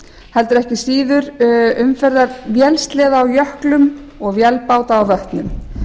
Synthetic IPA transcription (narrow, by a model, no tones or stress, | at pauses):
hɛlt̪ʏɾɛhcɪsiːðʏɾʏmfɛɾðavjɛlst̪lɛːðaawjœhklʏm | ɔɣvjɛlpaːwt̪aːwðœht̪nʏm